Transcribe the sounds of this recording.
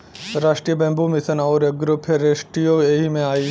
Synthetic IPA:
ɾaːʂʈɾiːjəbɐ̃mbʱumɪsənaːʊɾeɡɾʊpʰeɾeːʃʈɾijoeɦimẽaːiː

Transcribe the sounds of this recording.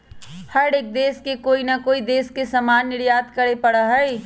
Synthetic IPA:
hɐɽeːk̚d̪eːskekoːinɐkoːid̪eːskesɐmaːnːɪɾjaːt̪kɐɾɽepɐɽaɦɛi

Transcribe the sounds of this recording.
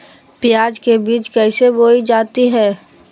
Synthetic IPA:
pɪjaːd͡ʒkebiːt͡ʃkɛːseboːid͡ʒaːt̪iɦɛ̃ː

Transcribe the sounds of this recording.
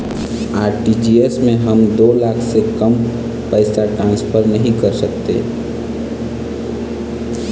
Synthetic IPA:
aːɾʈid͡ʒiesmẽɦəmd̪oːlaːkʰsekəm | pəɪsaʈɾãːnspʰəɾnəɦĩkəɾsək̚t̪ḛ

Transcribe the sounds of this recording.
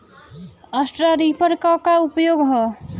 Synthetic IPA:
əsʈɾaɾipʰəɾkakaupjoɡɦɔ

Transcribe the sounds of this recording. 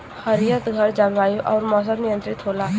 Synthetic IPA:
həɾijət̪ɡʱəɾd͡ʒabaːjuʔɔ̰ːɾmɔːs̬əbnijə̃nt̪ɾɪt̪ɦoːlaː

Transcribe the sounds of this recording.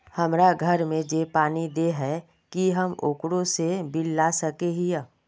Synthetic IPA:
hɐmɾaɡʱəɾmẽd͡ʒeːpaːnid̪eɦɛ | kiɦɐmoːkɽõsebɪlːasəkeɦij

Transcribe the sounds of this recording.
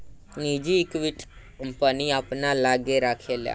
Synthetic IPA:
nid͡ʑiːkʋiʈʰ | əmpaniapnalaɡeɾakʰelja̰

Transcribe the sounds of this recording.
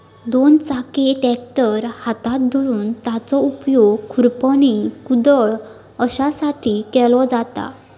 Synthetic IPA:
d̪ont͡sakeʈɛk̚ʈəɾhat̪at̪̚d̪ʱɔɾuːnt̪at͡sɔupjoɡkʰuɾpəñikud̪əɭ | əɕasaʈʰiːkɛlɔd͡zat̪a̰

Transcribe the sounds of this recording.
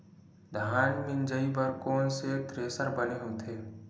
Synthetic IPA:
d̪ʱaːnmɪnd͡ʒəibəɾkɔːnset̪ɾeːsəɾbəneɦot̪ʰeː

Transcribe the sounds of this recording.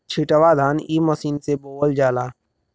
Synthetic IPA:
t͡ʃʰiʈəʋad̪ʱaːniːməsiːnseboːwəld͡ʒaːlaː

